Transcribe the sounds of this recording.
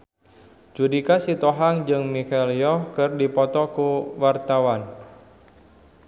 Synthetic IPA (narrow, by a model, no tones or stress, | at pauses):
d͡ʒudikasit̪ɔɦaŋd͡ʒɨŋmikeliɔhkɨrdipɔt̪ɔkuwart̪awan